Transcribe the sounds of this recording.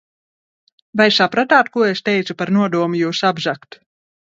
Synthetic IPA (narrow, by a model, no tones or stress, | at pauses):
vajsapɾat̪aːt̪kuɔest̪ɛjt̪supaɾnuɔd̪uɔmujuːsabʒakt̪